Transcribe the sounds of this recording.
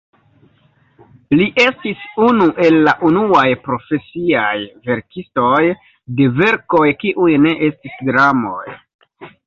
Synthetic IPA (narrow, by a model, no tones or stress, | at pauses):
liʔe̞stisunuʔe̞lːaʔunuajpɾo̞fe̞siajve̞ɾkisto̞j | de̞ve̞ɾko̞jkiʔujne̞ʔe̞stisdɾamo̞̰j